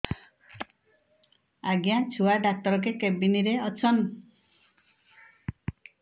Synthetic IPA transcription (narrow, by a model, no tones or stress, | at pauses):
aɡjãt͡ʃʰuaɖak̚tʌɾɔk̬ekebiniɾeʌt͡sʰʌn